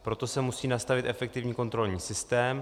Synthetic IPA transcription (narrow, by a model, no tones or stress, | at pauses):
pɾo̞t̪o̞sɛmusiːnast̪avɪt̪ʔɛfɛk̚t̪ɪvɲiːko̞nt̪ɾo̞lɲiːsɪst̪ɛːm